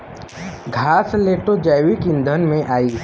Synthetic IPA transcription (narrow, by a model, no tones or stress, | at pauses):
ɡʱaːsleːʈod͡ʒajwikɪ̃nd̪ʱənmẽʔaːiː